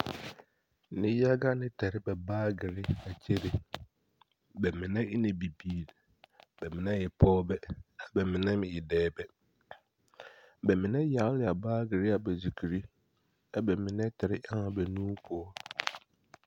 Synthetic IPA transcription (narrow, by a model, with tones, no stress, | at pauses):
nɪ̃˦ja˦ɡa˦nɪ̃˦tʰɛ˨ɾɪ˦bɛ˨baː˦ɡɪ˨ɾɪ˦a˨t͡ɕʰe˦ɾɪ˨ | bɛ˨mɪ̃˨nɛ̃˦ɪ˦nɪ̃˨bi˨biː˨l | bɛ˨mɪ̃˨nã˦jɛ˨pʰɔː˦bɛ˦a˨bɛ˨mɪ̃˨nɛ̃˦mɪ̃˨ɪ˨dɛː˦bɛ˦ | bɛ˨mɪ̃˨nɛ̃˦ja˨˦lɪ˦˨a˨baː˦ɡɪ˨ɾɪ˦a˨bɛ˨si˨kʰi˨ɾi˦ | a˨bɛ˨mɪ̃˨nɛ̃˦tʰɪ˨ɾɪ˦ʔa˦ŋa˨bɛ˨nũː˦pʰʊ˦ɔ˦